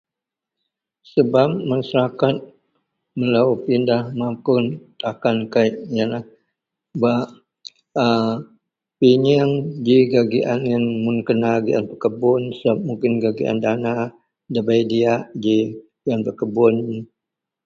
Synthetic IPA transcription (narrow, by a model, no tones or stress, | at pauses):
səbap̚masaɾakat̪̚ | məlaupindahmapʊnt̪akankaiʔjanah | baʔ | piɲaŋd͡ʒiɡaɡiʔanjaŋmʊnkənaɡiʔanpəkəbʊnsəbap̚muŋkɪnɡaɡḭʔa̰ndana | dabajdiaʔd͡ʒi | ɡiʔanpəkəbʊn